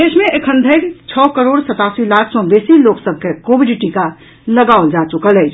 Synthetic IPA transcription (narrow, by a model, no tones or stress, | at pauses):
d̪esmẽʔekʰənd̪ʱəɪɾt͡ʃʰɔkəɾoɽsət̪asilakʰsɔ̃besiloksəb̚ʱkekobʱiɖʈika | ləɡaʊld͡ʒat͡ʃukələt͡ʃʰ